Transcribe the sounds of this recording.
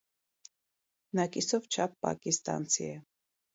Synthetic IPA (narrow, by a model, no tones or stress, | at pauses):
nɑkʼisɔvt͡ʃʰɑp̚pːɑ̰kʼist̪ʼɑ̰nt͡sʰḭɛ